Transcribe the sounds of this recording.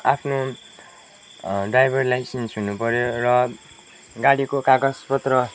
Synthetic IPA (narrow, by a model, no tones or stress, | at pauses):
apʰno | ɖrajbʱʌrlajsensɦunupʌɾjorʌ | ɡaɽikokaɡʌspʌt̪rʌ